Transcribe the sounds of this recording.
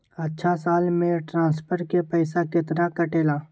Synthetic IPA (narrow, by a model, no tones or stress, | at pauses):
ətːʃʰasaːlmẽʈɾãːspʰəɾʈkepɛɪsakɪt̪ɾakəʈeːlaː